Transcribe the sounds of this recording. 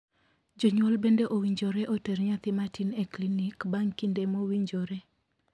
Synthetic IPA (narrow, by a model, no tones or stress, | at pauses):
d͡ʒoɲwɔlbendeʔowiɲd͡ʒoɾɛʔoteɾɲat̪ɪmatineklinikbaŋkindemowiɲd͡ʒoɾe